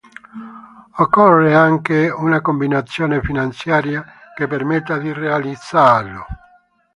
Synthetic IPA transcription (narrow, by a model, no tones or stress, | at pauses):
ɔkːɔrːeaŋkeunakombinat̪sːjɔːnefinant̪sjaːɾja | kepeɾmet̪ːad̪irealid̪sːalːʊ